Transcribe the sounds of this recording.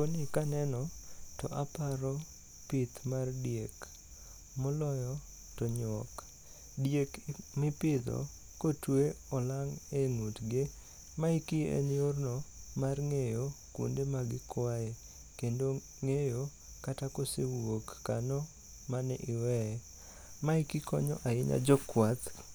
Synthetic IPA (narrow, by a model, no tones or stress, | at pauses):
konikanɛnɔtɔ̰ʔapaɾɔ | pɪt̪mardjek | mɔlɔjɔ | tɔɲwɔ̰k | djekmɪpɪd̪ɔ̰ | kotweɔlaŋeŋutɡɪ | maikiḛnornɔmarŋejokṵndemaɡɪkwae | kendo | ŋejo | katakosewokːanɔ | manɛ̰ʔɪwɛɛ | maikɪkɔɲɔ̰ʔaɪɲa̰d͡ʒɔkwat̪